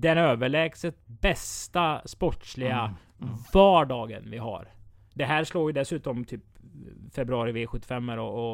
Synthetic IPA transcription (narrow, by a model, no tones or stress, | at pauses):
d̪ɛnøːvəɭɛːɡsət̪bɛst̪aspɔʈʂlɪɡa | vaːɖɑːɡə̰nvɪɦa̰ɾ | ɖ̪ɛɦæːɾʂloːɾjɵd̪ɛsʉ̟ːt̪ɔmt̪ʰyːpfɛbɾɵɑːɾɪveːɧɵt̪ːɪfɛmːəɾɔɔ